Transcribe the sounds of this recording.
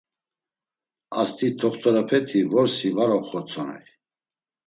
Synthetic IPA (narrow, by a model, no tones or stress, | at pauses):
ast̪ʰʼit̪ʰɔχt̪ʰɔɾapʰɛt̪ʰivɔɾsivaɾɔχɔt͡sʰɔnɛ̰